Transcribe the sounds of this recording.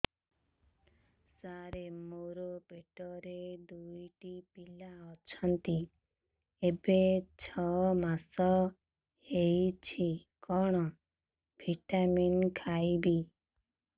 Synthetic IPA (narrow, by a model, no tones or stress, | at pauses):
saɾemoɾopeʈɔɾed̪ujʈipilaɔt͡ʃʰɔnt̪i | ebet͡ʃʰɔmasɔ | hejt͡ʃʰikɔɽ̃ɔ | bʱiʈaminkʰajbi